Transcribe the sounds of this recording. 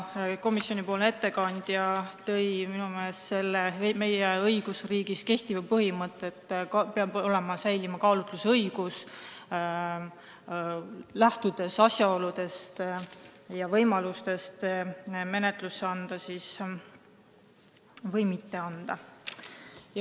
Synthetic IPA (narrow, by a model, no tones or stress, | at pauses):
ko̞misjo̞nipo̞ːlne̞t̪ːe̞kɑnd̪̥jɑt̪ɤ̞jminumeesse̞lːeme̞jeɤjɡ̥usriːɡ̥iske̞ht̪ivɑpɤɦimɤt̪ːˑet̪ːˑkpeɑbo̞le̞mɑsæjlimɑkɑːlut̪ˑluseɤjɡ̥us | læht̪ud̪̥e̞sɑsjɑo̞lud̪̥e̞st̪ | jɑvɤjmɑlust̪e̞st̪me̞ne̞t̪ˑlusːeɑnd̪̥ɑsis | vɤjmit̪ːe̞ɑnd̪̥ɑ | j